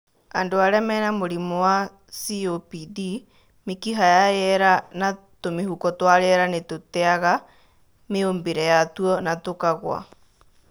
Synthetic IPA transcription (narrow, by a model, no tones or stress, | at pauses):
andoaɾɛmɛnamoɾimɔwa | siopidi | mekiɦajajɛɾana | tomehukɔtwaɾɛɾanetotɛaɣa | meombeɾɛjatuɔnatokaɣwa̰